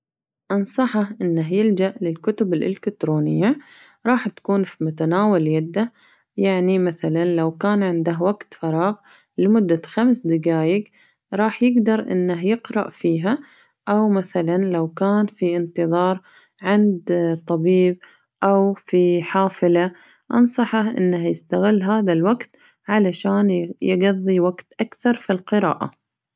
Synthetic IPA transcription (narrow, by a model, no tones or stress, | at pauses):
ʔɑnsˤɑħɑhʔɪnːaɦjɪld͡ʒaʔlɪlkʊt̪ʊbɪlʔɪ̰lɪkɪt̪ɾoːnɪjːaɾˤɑːħt̪ḁkuːnfimʊt̪anaːwaljad̪ːa | jaʕnimaθalanlawkaːnʕɪnd̪aɦwaɡt̪fɑɾˤɑːɣ | lɪmʊd̪ːaxamsd̪ɪɡaːjɪɡ | ɾˤɑːħjɪɡd̪ɑɾˤʔɪ̰nːaɦjɪqɾˤɑ̰ʔfiːɦa | ʔawmaθalanlawkaːnfiʔɪnt̪ɨðˤɑːɾˤ | ʕɪnd̪t̪ˤɑbiːb̚ | ʔawfiħaːfɪla | ʔɑ̰nsˤɑħɑʔɪ̰nːahjɪst̪aɣɪlːɦaːðalwaɡt̪ | ʕalaʃaːnjɪɡɑðˤːiwaɡt̪ʔakθɑɾˤfilqɨɾa̰ːʔa̰